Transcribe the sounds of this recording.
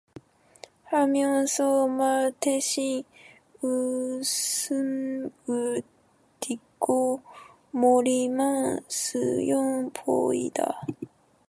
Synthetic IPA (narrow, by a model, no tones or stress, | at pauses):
hamʲjõnsomat̪eɕi | ɯ | sɨmɡɯ | t̪iko | moɾʲimãnsɨ̰jõmpʰo̰ḭd̪a̰